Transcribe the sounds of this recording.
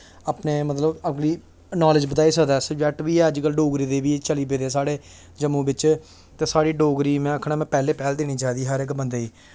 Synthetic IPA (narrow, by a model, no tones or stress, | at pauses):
aːpneːmət̪ləbəɡliː | naːlɪd͡ʒbət̪aːiːsəkd̪aːsd͡ʒɛːʈʋiːɛːəd͡ʒkəlɖoːɡɾiːd̪eːʋiːt͡ʃəliːbeːd̪ɛːsaːɽeː | d͡ʒəmũːbɪt͡ʃ | t̪eːsaːɽiːɖoːɡɾiːmɛ̃ːəkʰɳaːmɛ̃ːpɛːleːpɛːld̪eːniːt͡ʃaːd̪iːɦəɾɪkbənd̪eːiː